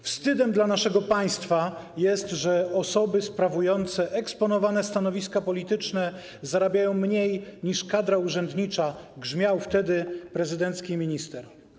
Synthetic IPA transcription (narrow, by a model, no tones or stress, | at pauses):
fst̪ɘd̪ɛmd̪lanaʂɛɡɔpaj̃st̪fajɛst̪ʐɛɔsɔbɘspɾavujɔnt̪sɛʔɛkspɔnɔvanɛst̪anɔvʲiskapɔlʲit̪ɘt͡ʂnɛ | zaɾabʲjajɔ̃w̃mɲejɲiʂkad̪ɾauʐɛnd̪ɲit͡ʂaɡʐmʲjawft̪ɛd̪ɘpɾɛzɘd̪ɛnt̪skʲimʲiɲist̪ɛɾ